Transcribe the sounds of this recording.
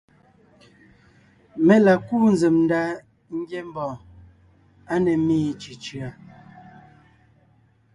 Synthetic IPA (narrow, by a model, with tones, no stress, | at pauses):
mɛ˨la˨kuː˦n˦ze˨mn˦da˦ | ŋ̩˦ɡje˦m˦bɔ̃ː˨ | a˦nɛ˨miː˦t͡ʃi˨t͡ʃɰa˨